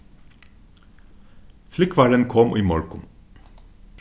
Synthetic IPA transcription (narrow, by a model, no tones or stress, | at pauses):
flɪkʰʋɑːɾənkʰɔmʔiːmɔɹkʊm